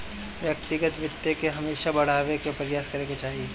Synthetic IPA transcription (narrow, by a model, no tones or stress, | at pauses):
ʋjɐk̚t̪ɪɡət̪ʋɪt̪jekeɦɐmeːʃabɐɽ̤aːwekepɐɾɪjaːskɐɾeːket͡ʃaːɦieː